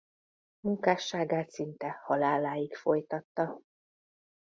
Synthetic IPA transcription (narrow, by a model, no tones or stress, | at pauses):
muŋkaːʃːaːɡaːt̪sint̪ɛhɒlaːlaːjikfo̞jt̪ɒt̪ːɒ